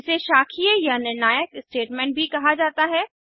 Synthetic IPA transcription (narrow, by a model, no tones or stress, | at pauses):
seʃaːkʰijəjanɪɾnaːjəkɪsʈeːʈmɛ̃ːɳʈ̚bʱikɐɦad͡ʒaːt̪aɦɛː